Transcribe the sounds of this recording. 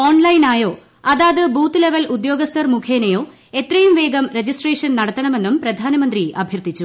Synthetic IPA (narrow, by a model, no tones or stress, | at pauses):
o̞ːɳlɐjnaːjo̞ː | ɐðaːðɨbuːt̪ːɨleʋɐlud̪jo̞ːɡɐst̪ʰɐrmukʰeːnɐjoː | e̞t̪rɐjumʋe̞ːɡɐmɾe̞d͡ʑisʈreːʂɐnnɐɽɐt̪ːɐɳɐme̞nːumprɐd̪ʱaːnɐmɐnd̪riɐ̰bʱjɐrt̪it͡ɕːu